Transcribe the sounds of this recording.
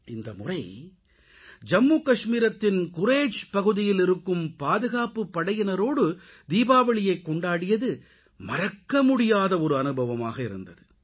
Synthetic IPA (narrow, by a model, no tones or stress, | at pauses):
ɪnd̪ɐ̰mʊrɐɪ | d͡ʒɐmːuːkɐʂmiːɾɐt̪ːɪnkʊɾeːd͡ʒpɐɣɯðɪjɪlɪɾɯkːɯmpaːðɯɣaːpɯpːɐɽɐjɪnɐɾoːɽɯ | d̪iːbaːʋɐɭɪjɐɪkːɔɳɖaːɽɪjɐðɯ | mɐrɐkːɐmʊɽɪjaːðɐɔɾɯɐnɯbɐʋɐmaːɣɐɪɾɯ̰nd̪ɐðɯ